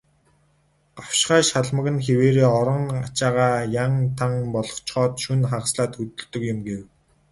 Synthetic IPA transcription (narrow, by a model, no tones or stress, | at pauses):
ɢ̥awʃχaːʃaɮmə̆ɣɘ̆nxeweːɾeːɔɾɞ̆ŋat͡ɕaːʁaːjaŋt̪ʰaŋpɔɮɞ̥̆χt͡ɕχɔːt̪ʃunχaqsɮaːt̪xɵt̪ɵ̆ɮt̪ɵ̆kjʊ̆mɡew